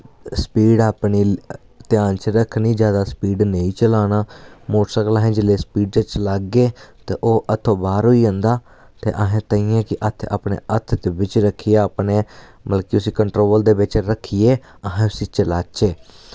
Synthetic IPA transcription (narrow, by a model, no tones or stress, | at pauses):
spiːɖaːpniː | t̪ɪjaːnt͡ʃɾəkʰnĩːd͡ʒjaːd̪aːspiːɖneĩːt͡ʃəlaːnaːmoːʈsəklaːɦẽːd͡ʒɪleːspiːɖt͡ʃət͡ʃəlaːɡːeːt̪eːʔoːʔət̪ʰːõːbaːɾɦoːiːə̃nd̪aː | t̪eːʔəɦẽːt̪əĩːɛ̃ːkɪʔət̪ʰa̰ːpnḛːət̪ʰd̪eːbɪt͡ʃɾəkʰːijaəpneːməlkiːʊsĩːkəɳʈɾoːld̪eːʋɪt͡ʃɾəkʰːijeː | əɦẽːʊsĩːt͡ʃəlaːt͡ʃeː